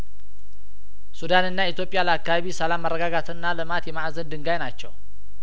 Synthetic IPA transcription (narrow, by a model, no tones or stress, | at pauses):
sudanɨnːait̪jo̞pʼijaləakːaβaβisəlamːərːəɡaɡat̪ʰɨnːalɨmat̪jɛmaʔzənd̪ɨŋɡajnat͡ʃːɛw